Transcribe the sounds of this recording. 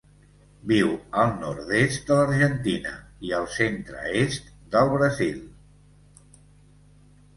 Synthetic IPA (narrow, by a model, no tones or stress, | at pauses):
biwəlˠnɔ̰ɾt̪est̪̚d̪ələɾʒənt̪inə̰iəlˠsent̪ɾə̰est̪ | d̪əlˠβɾəzḭl